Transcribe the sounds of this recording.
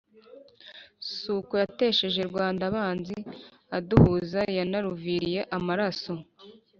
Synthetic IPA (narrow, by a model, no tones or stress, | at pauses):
suːkojate̞ːʃe̞ʒe̞ɾɡwaːndaβaːnzi | aduhuzajanaɾuviɾije̞ʔamaɾaso̞